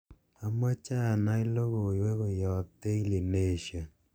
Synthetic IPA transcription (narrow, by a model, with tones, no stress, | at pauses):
a˨mɔ˦t͡ʃa˦˨na˦i˦lo˦ɣo˨i˨we˦ɣo˨jɔ˨te˦i˦li˨ne˦˨ʃja˨